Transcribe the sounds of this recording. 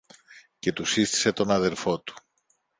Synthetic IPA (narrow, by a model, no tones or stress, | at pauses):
ce̞t̪usist̪i̥se̞t̪o̞nɐðe̞ɾfo̞t̪u̥